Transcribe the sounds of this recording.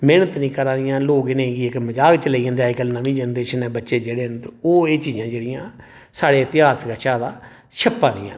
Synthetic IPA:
meːnət̪nĩːkəɾãːd̪ɪjãːloːɡɪnẽɡiɪkməd͡ʒaːkt͡ʃəleiːãːd̪eaːikəlnãːmĩːd͡ʒɛːnɾeːʃənɛ̃ːbətːʃeːd͡ʒeːɽeːnd̪oːeːt͡ʃiːd͡ʒãːd͡ʒeːɽɪjãː | saːɽeːət̪ɪɦaːsɡaʃaːd̪aː | ʃʰəpːãːd̪ɪ̰jã̰ː

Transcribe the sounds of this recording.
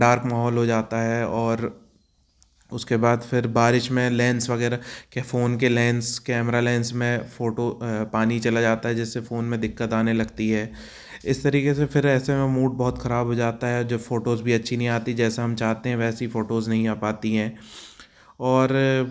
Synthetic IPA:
ɖaːɾkmaːɦɔːlɦod͡ʒaːt̪aɦɛɔːɾ | ʊskebaːd̪fɪɾbaːɾɪʃmẽlɛ̃ːnsʋɐɣɛːɾakefoːnk̬elɛ̃ːnskɛːmɾalɛ̃ːnsmẽfoːʈopaːnit͡ʃɐlad͡ʒaːt̪aɦɛd͡ʒɪsːefoːnmẽd̪ɪkːət̪aːnelɐɡt̪iɦɛː | ɪst̪ɐɾiːkesefʰɪɾɛːsemẽmuːʈ̚bɔɦʊt̪xɐɾaːbʱɦod͡ʒaːt̪aɦɛd͡ʒoːfoːʈoːzbʱiɐtːʃʰinɐɦĩaːt̪id͡ʒɛːseɦɐ̃mt͡ʃaːɦt̪eɦɛ̃ʋɛːsifoːʈoːznɐɦĩaːpaːt̪iɦɛ̃ː | ɔːɾ

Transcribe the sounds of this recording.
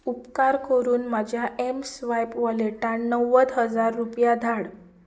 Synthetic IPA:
upkaɾkəɾuːnmad͡ʑʱjaʔemsʋajpʋaleʈanːəʋəd̪ɦəd͡zaɾːupjad̪ʱaɽ

